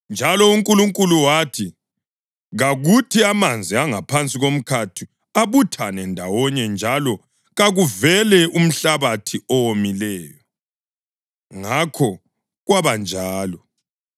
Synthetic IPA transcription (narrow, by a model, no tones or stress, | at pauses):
nd͡ʒʱalɔuŋkʼuluŋkʼuluwaːtʰi | ɣaɣutʰiamand͡zʱiaŋapʰant͡sʼiɣom̩kʰatʰi | aβutʰanɛndʱawɔɲɛnd͡ʒʱalɔ | ɣaɣuvɛlɛʔum̩ɬaβatʰiɔwomilɛːjɔ | ŋakʰɔ | ɣwaβand͡ʒʱaːlɔ